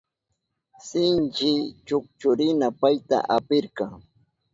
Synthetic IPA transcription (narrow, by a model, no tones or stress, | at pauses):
sɪnt͡ʃɪt͡ʃʊk̚t͡ʃʊɾɪnapajt̪a̰ʔapɪɾkɑŋ